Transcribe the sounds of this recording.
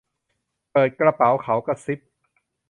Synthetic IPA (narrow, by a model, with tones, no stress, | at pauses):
pɤː˨˩t̪̚kɾa˧pa˩˦wkʰa˩˦wka˥˩si˦˥p̚